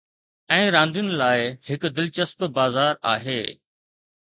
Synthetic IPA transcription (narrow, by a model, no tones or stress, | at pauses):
ɛ̃ːɾãːnd̪ijʊnɪ̆laːɪhɪkd̪ɪlt͡ɕəspbaːzaːɾa̰ːɦeː